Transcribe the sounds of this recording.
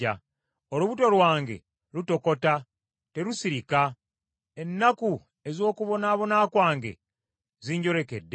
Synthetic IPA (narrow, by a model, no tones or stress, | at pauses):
a | oluβuto̞lwaːŋɡe̞̰ | ɾuto̞ko̞ta | te̞ɾusiɾika | e̞nːaku | e̞zo̞ːkuβo̞naːβo̞naːkwaːŋɡe̞̰ | ziːɲɟo̞ɾe̞ke̞dːe